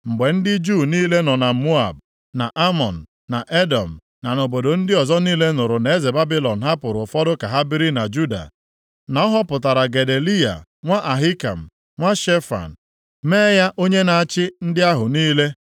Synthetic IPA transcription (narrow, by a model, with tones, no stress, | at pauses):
ŋ͡m̩˨ɡ͡be˨n̩˦dɪ˦d͡ʒuː˦˨niː˦le˦nɔ˨na˨mu˦a˨b | na˨ʔa˦mɔ˨n̩˨ | na˨ʔe˦dɔ˨m̩˨ | na˨no˨bo˨do˨n̩˦dɪ˦ɔ˨zɔ˦niː˦le˦nʊ˨ɾʊ˨na˨e˦ze˨ba˦bi˦lɔ˨n̩˨ɦa˦pʊ˨ɾʊ˨fɔ˦dʊ˦ka˨ɦa˦bi˦ɾi˦na˨d͡ʒu˦da̰˨ | na˨ɔ˦ɦɔ˦pʊ˨ta˨ɾa˨ɡe˨de˨li˦a̰˨ŋʷa˦ʔa˨ɦɪ˦ka̰˨m̩˨ | ŋʷa˦ʃe˦fa̰˨n̩˨ | me˦ja˦ʔo˦ɲe˦na˨a˨t͡ʃɪ˦n̩˦dɪ˦a˦ɦʊ˨niː˦le˦